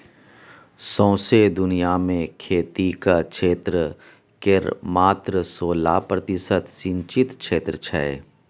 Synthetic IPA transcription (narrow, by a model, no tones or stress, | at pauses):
sɔ̃ːsed̪ʊnijamẽkʰeːt̪ikakʃeːt̪ɾə | keɾmaːt̪ɾəsoːlaːpɾət̪ɪsət̪sɪ̃ɲt͡ʃɪt̪kʃeːt̪ɾət͡ʃʰɛe